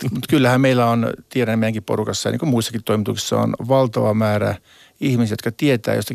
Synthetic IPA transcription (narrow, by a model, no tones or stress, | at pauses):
mut̪kylːæhæmmeilːæont̪ieɾænːæmeijæŋkipo̰rukɑsːɑjɑ̰nḭːkomuisːɑkit̪t̪ːoimit̪ṵksi̥sːɑ̰o̰nʋɑlt̪ɑʋɑmæːræ̰ | ihmisijot̪kɑt̪iet̪æ̰ːjost̪ɑ